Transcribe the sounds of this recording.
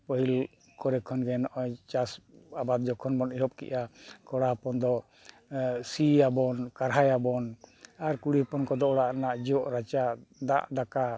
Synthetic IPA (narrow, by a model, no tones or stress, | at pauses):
pəɦil | kɔɾɛkʰɔnɡɛnɔʔɔjt͡ʃasabad̪̚d͡ʒɔkʰɔnbɔniɦɔp̚kḭʔakɔɽapɔnd̪ɔ | siabɔnkaɾɦajabɔnaɾkuɽipɔnkɔd̪ɔɔɽaʔnaʔd͡ʒiɔʔɾat͡ʃad̪a̰ʔd̪aka